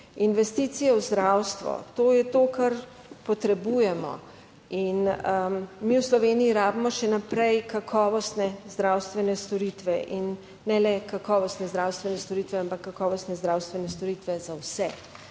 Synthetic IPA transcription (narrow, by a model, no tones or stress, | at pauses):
inʋɛst̪it̪sijɛwzd̪ɾawst̪ʋɔ̰t̪oːjɛt̪oːkaɾ | pɔt̪ɾɛbuːjɛmɔ̰ | in | miːwslɔʋeːniiɾaːbimɔʃɛnapɾɛjkakʰɔːʋɔst̪nɛzd̪ɾawst̪ʋɛnɛst̪ɔɾit̪ʋɛʔinː | ɛlɛkakɔːʋɔst̪nɛzd̪ɾawst̪ʋɛnɛst̪ɔɾiːt̪ʋɛampakːakɔːʋɔst̪nɛzd̪ɾawst̪ʋɛnɛst̪ɔɾiːt̪ʋɛzawsɛ